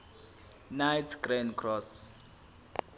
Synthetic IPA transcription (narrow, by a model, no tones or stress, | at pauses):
najtʰɡrɛnkʰrɔs